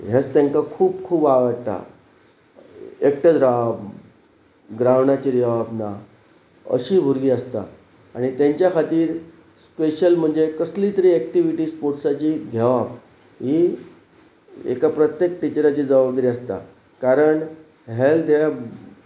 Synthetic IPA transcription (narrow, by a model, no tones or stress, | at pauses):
ɦet͡st̪ẽŋkakʰuːbkʰuːbaʋəɽt̪a̰ | ek̚ʈəd̪ɾab | ɡɾaʋɳat͡ɕid͡ʑəʋabna | ə̰ɕiːbʱuɾɡiːəst̪a̰ | aɽ̃it̪jẽɲt͡ɕjakʰat̪iːɾ | speɕəlm̤əɳd͡zekəslit̪əɾiːɛk̚ʈiʋiʈiːspoʈsat͡ɕiːɡ̪ʱeʋap | ɦi | ḛkapɾət̪jek̚ʈit͡ɕɾat͡ɕiːd͡zəʋabd̪əɾiəst̪a̰ | kaɾəɳ | ɦeld̪ea